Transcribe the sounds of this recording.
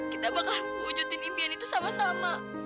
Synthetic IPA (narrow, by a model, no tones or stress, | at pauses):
kit̪abakalməŋud͡ʒut̪ɪnimpianit̪usamasama